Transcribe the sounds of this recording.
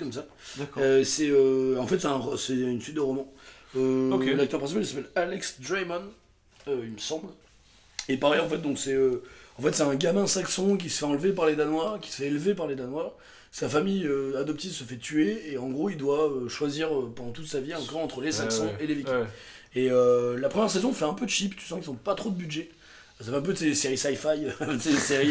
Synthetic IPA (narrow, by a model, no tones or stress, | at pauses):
kɔmsa | ksɛøɑ̃fɛt̪sɛt̪ɛ̃ʁɔsɛynsɥit̪̚d̪əʁɔmɑ̃ølak̚t̪œʁpχɛ̃sipalisapɛlalɛksd̪ʁamɔn | øilməsɑ̃bl | epaʁɛjɑ̃fɛt̪̚d̪ɔ̃ksɛøɑ̃fɛt̪sɛt̪ɛ̃ɡʲamɛ̃saksɔ̃k̬ʲisə̥fɛɑ̃lvepaʁled̪anwaʁkʲi̥sə̥fɛːlvepaʁled̪anwaʁ | safamijøad̪ɔpt̪ivsəfɛt̪ʰyeːɑ̃ɡʁoild̪waøʃwaziʁøpɑ̃d̪ɑ̃t̪ut̪saviɑ̃kɔʁɑ̃t̪χəlesaksɑ̃elevik | eølapχəmjɛʁsezɔ̃fɛɛ̃pød̪əʃipt̪y̥sɑ̃kisɔ̃pat̪χod̪əbydʒɛ | safɛɛ̃p̬øsɛleseʁisajfajøseeseʁi